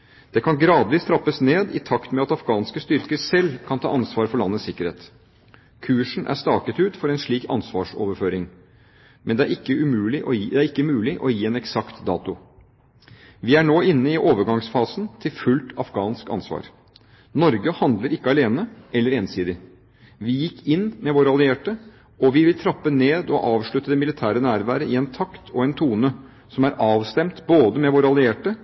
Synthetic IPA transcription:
d̪̥ɛkʰɑnɡɾɑːd̪ʋiːst̪ʰɾɑpːəsneːd̪ɪ̰t̪ʰɑkt̪mɛɑt̪ɑfɡɑːnskəst̪ʏɾkəsɛlːkʰɑnt̪ʰɑ̰ːʔɑnsʋɑːɾfɔɭɑnːəsɪkːəɾhḛːt̪ | kʰʉːʂn̩ʔæ̰ɾʂt̪ɑːkət̪ʉːt̪fɔɾɛnʂɭiːkɑ̰nsʋɑːʂɔ̰ːʋəɾføːɾɪŋ | mɛnd̪ɛæɾɪkːəʉmʉːlɪʔɔd̪ɛæɾɪkːəmʉːlɪʔɔjiːɛnɛksɑkt̪d̪ɑːt̪ʊ | ʋɪæɳoːɪnːəɪʔoːʋəɾɡɑŋsfɑːsn̩t̪ʰɪlfʉlt̪ʰɑfɡɑːnskɑ̰nsʋɑ̰ːɾ | nɔɾɡəhɑnd̪ləɾɪkːəɑleːnəɛlːəɾeːnsiːd̪ɪ | ʋɪjɪkːɪnːmɛʋoːɾəɑlɪeːʈə | ɔʋɪʋɪlt̪ʰɾɑpːəneːd̪ɔʔɑːʋʂɭʉt̪ːəd̪ɛmɪlɪt̪ʰæːɾənæːɾʋæːɾəɪɛnt̪ʰɑkt̪ʰɔɛnt̪ʰuːnə | sɔmæɾɑːʋst̪ɛmt̪boːd̪əmɛʋoːɾəɑlɪeːʈə

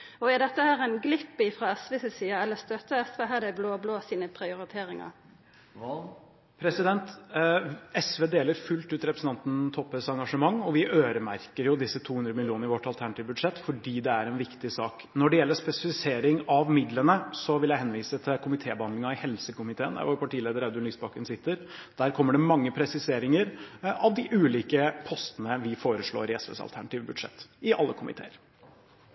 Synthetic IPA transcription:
ɔæd̪ɛt̪ːəhæːɾæɪnɡlɪpːɪfɾɑɛsʋeːsəsiːɑɛlːəst̪œt̪ːəɛsʋeːɦæːd̪ɛbloːbloːsiːnəpʰɾɪʊɾɪt̪ʰeːɾɪŋɑ̰ | pʰɾɛsɪd̪ɛnt̪ | ɛsʋeːd̪eːləɾfʉlt̪ʉːt̪ɾɛpɾəsn̩ʰɑnt̪n̩t̪ʰɔpːɛsɑŋɡɑʂəmɑŋːɔʋɪʔøːɾəmæɾkəɾjʊd̪ɪsːət̪ʰuːhʉnd̪ɾəmɪlɪuːnəɾɪʋɔʈːɑlt̪ʰæɳɑt̪ɪʋbʉd̪ʂɛt̪ːfɔɖiːd̪ɛæɾɛnʋɪkt̪ɪsɑːk | nɔɖɛjɛlːəʂpɛsɪfɪseːɾɪŋɑʋmɪd̪lənəsɔʋɪljæɪɦɛnʋiːsət̪ʰɪlkʰʊmɪt̪ʰeːbəhɑnd̪lɪŋɑɪhɛlsəkʊmɪt̪ʰeːənæ̰ʋoːɾpɑʈiːleːd̪əɾɛd̪ʉnyːsbɑkənsɪt̪ːəɾd̪̥æɾkʰɔmːəɖɛmɑŋːəpʰɾɛsɪseːɾɪŋəɾʔɑʋd̪ɪʔʉːliːkəpʰɔst̪ənəʋɪfoːɾəʂɭo̰ːɾɪɛsʋɛ̰ːsɑ̰lt̪ʰæɳɑt̪iːʋbʉd̪ʂɛ̰t̪ːɪʔɑ̰lːəkʰʊmʔɪ̰t̪ʰḛːəɾ

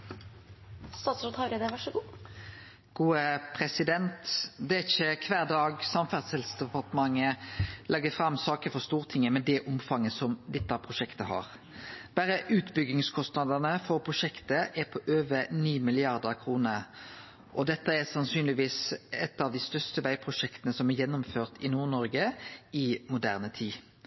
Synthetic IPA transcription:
st̪ɑːt̪sʉt̪hɑɾɛd̪əʋæʈʂɔɡuː | ɡ̥uːəpʰɾɛsɪd̪ɛnt̪d̪ɛæɪçəkʰʋæːʁd̪ɑːɡsɑmfæʁd̪sɛld̪sd̪ɛpɑʁt̪əmɑŋːəlʔɛɡəfɾɑmːsɑːkəfɔst̪uːʁət̪ʰɪŋːəmɛd̪ɛʔʊmfɑŋːəsɔmd̪ɛt̪ːəɑʋpʰʁʊʃɛkt̪əhɑ̰ːɾ | b̥æɾəʔʉːt̪bʏɡɪŋskʰɔst̪nɑd̪ənəfɔɾpʰʁʊʃɛkt̪əʔɛɾpʰɔʔøːʋəniːmɪlɪɑʁd̪əɾkʰʁuːnəɾ | ʔɔd̪ɛt̪ːəɛʁsɑnsyːnlɪʋiːsɛt̪ːɑʋd̪ɪst̪œʁst̪əʋæɪpʰʁʊʃɛkt̪ənəsɔmæɾjɛnːʊmføːʁt̪ʰɪnuːʁnɔɾɡəɪmʊd̪æ̰ːʁnət̪ʰiː

